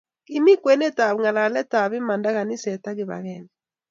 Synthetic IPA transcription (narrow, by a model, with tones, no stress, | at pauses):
ki˦mi˦kwɛ˨nɛ˦ta˨βŋa˨la˨lɛ˦ta˨βi˦ma˨nda˦ɣa˨ni˦sɛ˨ta˦ɣɪ˨βa̰˨ɣɛ˨nɛ